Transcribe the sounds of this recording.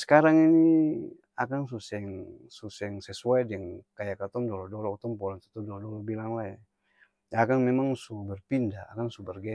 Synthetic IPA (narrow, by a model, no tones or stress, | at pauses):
sə̥kaɾaŋini | akans̬usɛŋsusɛŋsɛsuadɛŋkajakat̪ɔmdɔlɔdɔlɔut̪ɔmpɔlɔnt̪u̥t̪ɔdɔlɔdɔlɔbilaŋla | akanmɛmaŋsubɛrpindaa̰kansubɛrɡɛ